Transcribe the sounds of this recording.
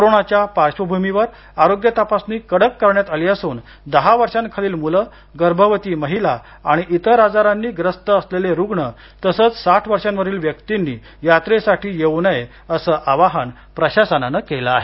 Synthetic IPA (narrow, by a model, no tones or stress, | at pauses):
koɾoɳat͡ɕjapaɾɕʋəbʱumiʋəɾ | aɾoɡjət̪apasniːkəɽəkːəɾɳjat̪aliəsuːn | d̪əɦaʋəɾʂãnkʰaliːlmulə | ɡəɾbʱəʋət̪iːməɦila | aɽ̃iʔit̪əɾad͡zaɾanːiːɡɾəst̪əəsleleɾuɡɳə | t̪əsəːt͡ssaʈʰʋəɾʂãnʋəɾiːlʋjəkt̪inːiː | jat̪ɾesaʈʰiːjeʋnəje | əsəʔaʋaɦən | pɾəɕasənanəkelaːɦe